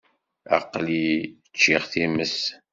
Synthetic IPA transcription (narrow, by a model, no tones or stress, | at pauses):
ɑ̰qːli | t͡ʃːiʁθiməs